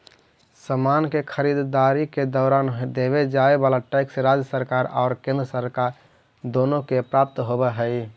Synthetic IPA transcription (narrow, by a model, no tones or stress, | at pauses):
səmankekʰəɾid̪d̪aɾiked̪ɔːɾaːnɦd̪eβed͡ʒaebalaʈaɪkseɾad͡ʒjəsəɾkaːɾɔ̰ːɾkẽnd̪ɾəsəɾkaɾ | d̪oːnõkepɾap̚t̪ɦobɛɦəi